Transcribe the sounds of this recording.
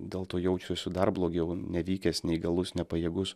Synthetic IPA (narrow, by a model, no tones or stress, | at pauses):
d̪ʲeːlˠt̪oːjɛʊt͡ʃʲʊsʲʊd̪ɐrblˠoːɡʲɛʊnʲɛʋʲiːkʲɛsnʲɛɪɡɐlˠʊsnʲɛpɐjeːɡʊs